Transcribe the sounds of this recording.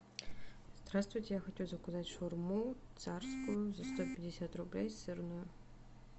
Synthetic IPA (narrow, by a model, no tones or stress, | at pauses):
z̥d̪ɾast̪vʊjtʲejaxɔtʲuwzɐkʊzatʲʂurmut̪sarskʊjʊzɐst̪ɔpʲɐdʲɪsʲat̪rʊblʲejsɨrnʊjʊ